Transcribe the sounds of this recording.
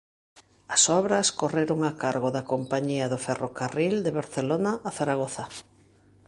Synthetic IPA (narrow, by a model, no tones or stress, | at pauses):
ɐsɔβɾɐskoreɾoŋakaɾɣoðakompaɲiɐðofɛrokarild̪eβaɾθelonaʔːθaɾaɣ̞oθa